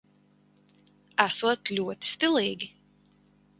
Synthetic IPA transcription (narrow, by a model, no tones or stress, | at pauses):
æsuɔt̪lʲuɔt̪i̥st̪ilˠiːɡʲi